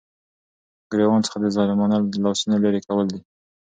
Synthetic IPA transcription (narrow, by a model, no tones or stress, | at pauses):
ɡɾewɑnt͡sə̥xad̪əzɑlɪmɑnalɑsunalaɾekawəld̪i